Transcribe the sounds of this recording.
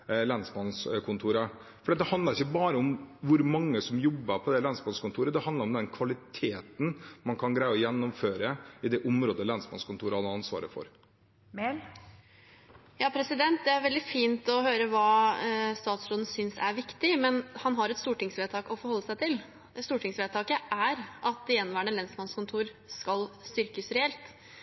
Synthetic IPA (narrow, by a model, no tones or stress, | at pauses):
lɑnsbɑnskʰʊnt̪ʰuːɾəfɔɾɖɛt̪d̪ɛhɑnd̪əɾɪçːəbɑːɾəʊmʋʊɾmɑŋːəsɔmjɔbːəɾpʰɔd̪ɛlɑnsbɑnskʊnt̪ʰuːɾəd̪ɛhɑnd̪ləɾɔmd̪ɛnkʰʋɑlɪt̪ʰeːt̪n̩mɑnkʰɑnɡɾæɪɔjɛnːɔmføːɾəɪd̪ɛʔʊmɾoːd̪əlɑnsbɑnskʊnt̪ʰuːɾəhɑd̪ɑnsʋɑ̰ːɾə̰fɔ̰ɾ | jɑːpʰɾɛsɪd̪ɛnt̪̚d̪ɛæɾʋɛld̪ɪfiːnt̪ɔhøːɾəʋɑːst̪ɑːt̪sɾoːd̪n̩sʏnsæ̰ɾʋɪkt̪ɪmɛnhɑnɦɑɾɛt̪st̪uːʈɪŋsʋeːt̪ʰɑːkɔfɔɾhɔlːəsæɪt̪ʰɪl | st̪uːʈʰɪŋsʋeːt̪ʰɑːkəʔæɾʔɑt̪̚d̪ɛjɛnːʋæːəɳəlɛnsmɑnskʊnt̪ʰuːɾ | skɑlst̪ʏɾkəsɾɛɛlt̪